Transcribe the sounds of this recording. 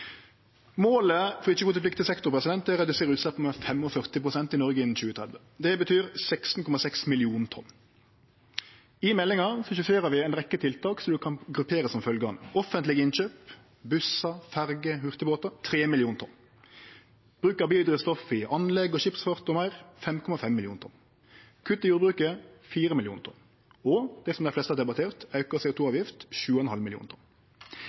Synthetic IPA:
moːləfɔʁɪçːəɡʊːt̪əplɪkt̪ɪəsɛkt̪ʊʁpʁɛsɪd̪ɛnt̪əɾɛd̪ʉseːɾʉːt̪slɑpːməfɛmɔfœʁt̪ɪpʁʊsɛnt̪ɪnɔʁɡəɪnn̩çʉːət̪ʰɾɛd̪ʋə | d̪ɛbət̪ʰyːɾsɛkst̪n̩kʰɔmɑsɛksmɪlɪuːnt̪ʰɔ̰n | ɪmɛlɪŋɑɾsɔʃʉfeːɾəʋɪɛɪnʁɛkːət̪ʰɪlt̪ʰɑːksɔd̪ʉkʰɑnɡʁʉpʰeːɾəsɔmfœlɡəɑ̰nəʔɔfənt̪lɪɡɪnçøːp | bʉsɑfæʁɡəhʉʁt̪əboːt̪ɑt̪ʰɾeːmɪlɪuːnt̪ʰɔn | b̥ʁʉːkəʁbiːld̪ʁɪst̪ɔfɪʔɑnlɛɡːɔʃɪpsfɑʁt̪ɔmɑʁfɛmkʰɔmɑfɛmːɪlɪuːnt̪ʰɔ̰n | kʰʉt̪ːɪjuːɾbʁʉːkəfiːɾəmɪljuːnt̪ʰɔ̰n | ɔd̪̥ɛsɔmd̪æɪflɛst̪əæːd̪ɛbɑt̪ʰeːʁt̪ɑʉkəseːʊt̪uːɑːʋjɪft̪ʃʉːəɛnhɑlmɪlɪṵːnt̪ʰʊn

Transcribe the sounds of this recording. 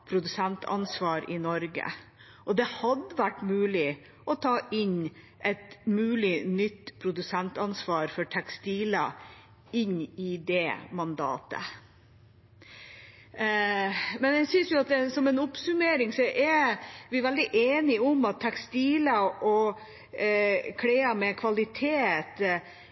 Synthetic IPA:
pʰɾʊd̪ʉsɛnt̪ʰɑ̰nsʋɑːɾɪnɔɾɡə̰ | ʔɔd̪ɛhɑd̪əʋæʈːmʉːlɪ | ʔɔt̪ʰɑːʔɪn | ʔɛt̪mʉːlɪnʏt̪ːpʰɾʊd̪ʉsɛnt̪ɑnsʋɑːɾfɔʈʰɛkst̪iːlɑ̰ | ɪnːɪd̪ɛmɑnd̪ɑ̰ːt̪ə̰ | mɛnæsʏnsjʊɑt̪̚d̪ɛsɔmɛnʊpsʉmeːɾɪŋsɔʔɛɾʋɪʋɛld̪ɪʔeːnɪʊmɑt̪ʰːɛkst̪iːlɑʔɔ | kʰɽeːɑmɛkʰʋɑlɪt̪ʰeːt̪

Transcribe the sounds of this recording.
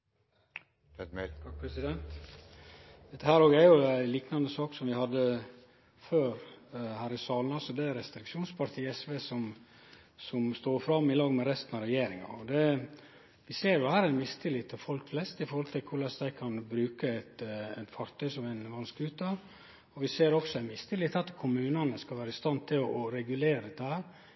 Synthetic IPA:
ɑkpʰɾɛsɪd̪ɛnt̪ | d̪ɛt̪ːəhæːɾoːɡæɾjʊæliːknɑnd̪əsɑːksɔmʋɪhɑd̪ːə | føːɾhæːɾɪsɑːlənɑlsɔd̪ɛæɾɛst̪ɾɪkʃuːnspʰɑɾt̪ʰiːɛsʋeːsɔm | sɔmst̪oːɾfɾɑmːɪlɑːɡmɛɾɛst̪nɑɾɛjeːɾɪŋɑ̰ɔd̪ɛ | ʋɪseːɾjʊhæːɾæɪnmɪst̪ʰɪlɪt̪ʰɪfɔlkflɛst̪ɪfɔɾhɔlt̪ʰɪlkʰʊɾɭɛsd̪æɪkʰɑnbɾʉːkəɛɪt̪æɪnt̪fɑɾt̪ʰœʏsɔmæɪnʋɑnskʉːt̪ə | ɔʋɪseːɾɔksɔænmɪst̪ʰɪlɪt̪ʰɑt̪kʰʊmʉːnɑnəskɑlʋæːɾəɪst̪ɑnt̪ʰɪlɔɔɾɛɡʉleːɾəd̪ɛt̪ːəhæːɾ

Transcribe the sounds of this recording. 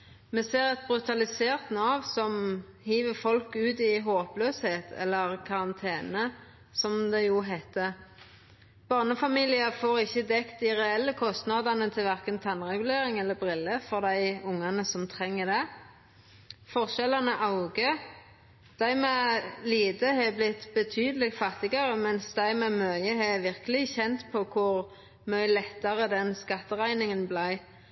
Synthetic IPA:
mɛseːʁɛt̪̚bɾʉt̪ɑlɪseːʁt̪nɑːʋsɔm | hiːʋəfɔlkʉːt̪ɪɦoːpløːsheːt̪ʰɛ̰lːəʁkʰɑʁɑnt̪ʰeːnə | sɔmd̪ɛjuɦæɪt̪ːə | b̥ɑʁnəfɑmiːlɪəfoːʁɪçːəd̪ɛkt̪̚d̪ɪʁɛɛlːəkʰɔst̪nɑd̪ɑnət̪ʰɪlʋæʁkənt̪ʰɑnʁɛɡʉleːɾɪŋɛlːəbʁɪlːəfɔʁd̪æɪʊŋːɑnəsɔmt̪ʰʁɛŋːəd̪ɛ | fɔʁʃɛlɑnəʔɑʊɡə | d̪̥æɪmɛːliːd̪əɦɛblɪt̪bət̪ʰyːd̪əlɪɡfɑt̪ːɪɡɑʁəmɛnsd̪æɪmɛːmœəɦɛʋɪʁkəlɪçɛnt̪pʰɔkʰʊʁ | mœʏlɛt̪ːɑʁəd̪ɛnskɑt̪ːəʁæɪnɪŋənblæɪ

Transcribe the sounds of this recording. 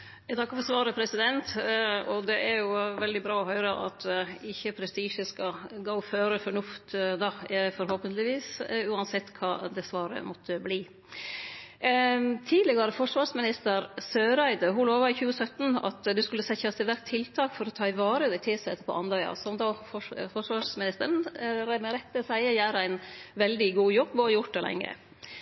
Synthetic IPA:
jɛt̪ɑkːəfɔsʋɑːɾəpʰɾɛsɪd̪ɛnt̪ɔd̪ɛʔæɾjʊʋɛld̪ɪbɾɑːɔhœʏɾəʔɑ̰t̪ɪçːəpʰɾɛst̪iːʂəskɑɡoʊføːɾəfɔɳʉft̪d̪ɑfɔɾhoːpənt̪lɪʋiːsʉːɑnsɛt̪ːkʰɑːd̪ɛsʋɑːɾə̰mɔt̪ʰːəbliː | t̪ʰiːd̪lɪɡɑɾəfɔʂʋɑːɾsmɪnɪst̪əɾsøːɾæɪd̪əɦʊloːʋɑɾɪçʉːəsœt̪nɑ̰t̪d̪ʉskʉlːəsɛçɑst̪ɪlʋæɾkt̪ʰːɪlt̪ʰɑːkfɔɾɔt̪ʰɑːɪʋɑːɾəd̪æɪt̪ʰɪsɛ̰t̪ːəpʰɔ̰ʔɑnd̪ɑɑ̰sɔmd̪oːɔfɔʂʋɑʂmɪnɪst̪əɾɳɾɛmɛɾɛt̪ːəsæɪəjæːɾæɪnʋɛld̪ɪɡuːjɔbːoːjʊʈ̚d̪ɛlɛ̰ŋːə̰

